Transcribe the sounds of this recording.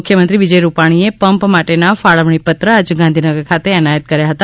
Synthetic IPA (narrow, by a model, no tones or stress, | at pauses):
kʰjəmənt̪ɾiʋid͡ʒəjɾupaɽ̃iepəmpmaʈenafaɭəʋɳipət̪ɾəad͡ʒɡãnd̪ʱinəɡəɾkʰat̪eənajət̪kəɾjaɦət̪a